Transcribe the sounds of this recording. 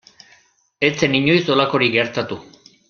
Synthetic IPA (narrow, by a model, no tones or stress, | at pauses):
e̞t͡se̞niɲo̞jso̞lako̞ɾiɡe̞ɾt̪at̪u